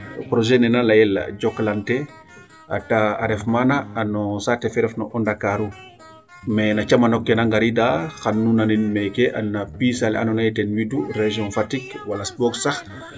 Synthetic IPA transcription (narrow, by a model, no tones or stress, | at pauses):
pɾɔʒɛnɛnalajɛla̰ɟɔklantɛ | ʔa̰taaɾɛfmanaːnɔsatɛfɛɾɛfnɔʔɔndakaɾu | mɛnat͡ʃamanɔkːɛnaŋɡaɾidaxanːunaninmɛkɛʔa̰nːapisal̰a̰nɔnajitɛnwidureʒiɔ̃nfatikwalaspɔɡsax